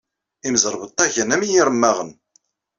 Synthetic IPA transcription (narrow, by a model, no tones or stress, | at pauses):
imzəɾˤbət̪ˤːɑʝənæmijiɾəmːæʁən